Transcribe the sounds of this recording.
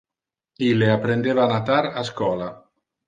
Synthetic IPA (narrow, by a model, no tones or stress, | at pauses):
ilːeapːɾend̪eːvaːnat̪aɾaskɔːla